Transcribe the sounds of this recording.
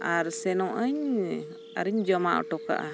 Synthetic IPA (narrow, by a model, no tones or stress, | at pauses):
aɾsɛnɔʔəɲ | a̰ɾiɲd͡ʒɔmaʔɔ̰ʈɔka̰ʔa